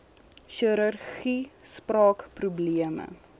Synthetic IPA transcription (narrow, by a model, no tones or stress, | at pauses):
ʃiɾɐrχisprɑːkprubliəmə̰